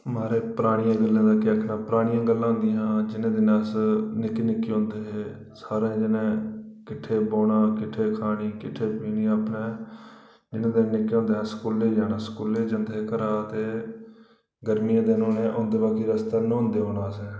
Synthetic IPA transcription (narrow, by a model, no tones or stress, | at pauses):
maːɾeːpəɾaːɽ̃ijãːɡəlːẽːd̪aːkɪakʰnãːpɾaːɽ̃ijãːɡəlːãːɦʊ̃nd̪ijãːd͡ʒɪnẽːd̪ɪnaːsnɪkenɪkːiõːnd̪eːɦeː | saːɾẽːd͡ʒɪnẽːkɪʈʰːeːboːɽãːkɪʈʰːeːkʰaːɽ̃iːkɪʈʰːeːpiːniːaːpneː | d͡ʒɪnẽːd̪ɪnːnɪkːɦõːnd̪eːɛːsə̥kuːleːd͡ʒaːnãːsə̥kuːleːd͡ʒənd̪eːkəɾaːət̪eː | ɡəɾmijãːd̪enõːnẽːʔõːnd̪eːbaːkiːɾəst̪aːnõːõːnd̪eːɦoːɽaːəsɛː